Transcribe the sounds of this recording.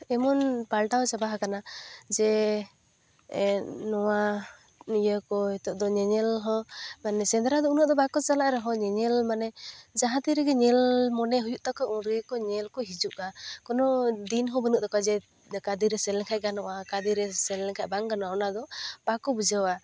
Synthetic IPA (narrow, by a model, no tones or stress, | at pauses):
ɛmɔnpalʈawt͡ʃabaɦakanad͡ʒɛ | nɔwa | ijəkɔɦɛt̪ɔʔd̪ɔɲɛɲɛlɦɔ̃manɛsɛnd̪ɾad̪ɔunɔʔd̪ɔpakɔt͡ʃalaʔɾɛɦɔɲɛɲɛlmanɛd͡ʒaɦãt̪iɾɛɡɛɲɛlmɔnɛɦujuʔt̪akɔʔuɾiəkɔɲɛlkɔɦid͡ʒuʔakɔnɔd̪inɦɔbənuʔd̪ɔkad͡ʒɛ | kad̪iɾɛsɛlɛkʰaʔɡanɔʔakad̪iɾɛsɛlɛkʰaʔbaŋɡanɔaɔnad̪ɔpakɔbud͡ʒəwa